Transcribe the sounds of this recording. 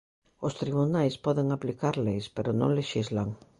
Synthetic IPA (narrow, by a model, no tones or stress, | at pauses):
ost̪ɾiβ̞unajspɔðeŋaplikaɾlejspeɾʊnõ̰ŋleʃizlaŋ